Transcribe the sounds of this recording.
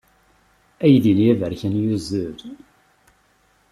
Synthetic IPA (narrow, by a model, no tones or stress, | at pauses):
æjðinjævəɾçænjuzəɾ